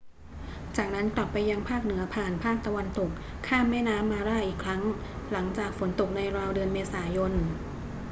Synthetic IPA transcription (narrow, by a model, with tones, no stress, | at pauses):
t͡ɕaː˨˩k̚na˦˥nkla˨˩pːa˧jːa˧ŋpʰaː˥˩k̚nɯ˩˦ɐpʰaː˨˩npʰaː˥˩k̚t̪a˧wa˧nt̪o˨˩k̚ʰːaː˥˩mːɛː˥˩naː˦˥mːaː˧ɾaː˥˩ʔiː˨˩kʰɾa˦˥ŋla˩˦ŋt͡ɕaː˨˩k̚fo˩˦nt̪o˨˩k̚na˧jɾaː˧wdɯ˧ənmeː˧saː˩˦jo˧n